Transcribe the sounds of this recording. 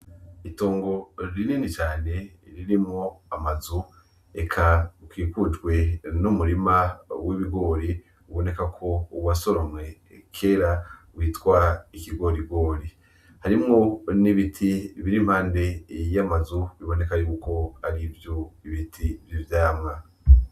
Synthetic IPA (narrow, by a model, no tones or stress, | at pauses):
ito̞ːŋɡo̞ɾiniːnit͡ʃaːne̞ | ɾiɾimŋo̞amazu | ekʰakwiːkud͡ʒɡwe̞numuɾimawiβiɡo̞ːɾi | uβo̞ne̞kakʰo̞uwasoɾomwe̞ | kʰe̞ːɾawiːtwaikiɡo̞ɾiɡo̞ːɾi | haɾimŋo̞niβitʰiβiɾimhaːnde̞jamazuβiβo̞ne̞kaɾiβuko̞aɾivjoiβitʰivjivjaːmŋa